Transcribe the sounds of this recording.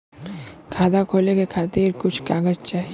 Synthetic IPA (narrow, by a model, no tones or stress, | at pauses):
kʰaːd̪akʰolekekʰaːt̪iɾkʊt͡ʃʰkaɡəd͡ʒt͡ʃaɦi